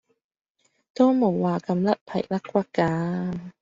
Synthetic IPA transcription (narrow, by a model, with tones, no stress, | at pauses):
t̪o˥wmo˨˩wːaː˨˩kɐ˧mlɐ˦˥t̚pʰɐ̰˨˩jlɐ˥kkʷwɐ˥t̚kaː˧